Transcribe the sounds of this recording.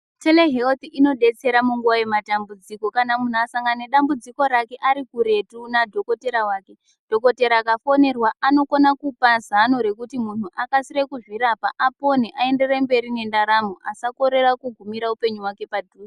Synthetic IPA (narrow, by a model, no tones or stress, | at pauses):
teleɦeot̪iino̞ɗe̞t͡se̞ɾamuŋɡuwaje̞matambud͡ziko̞kanamun̤uasaŋɡaneɗambud͡ziko̞ɾake̞ʔaɾikuɾe̞tunadʱo̞ko̞te̞ɾawaːke̞ | d̥ʱo̞ko̞te̞ɾaːkafo̞ne̞rwaʔano̞konakupazanoɾe̞kutimun̤uʔakasirekuʐwiɾapaʔːpo̞neʔae̞nde̞rembe̞ɾine̞ndaɾamuʔasako̞ɾe̞rakuɡʱumiɾaupe̞ɲuwake̞padʱuːi